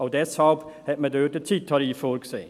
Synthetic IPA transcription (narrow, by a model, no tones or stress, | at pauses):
od̪ɛshalp | hɛt̪̚mɛd̪øːtət̪ʰitʰɑɾifoːɾɡəseː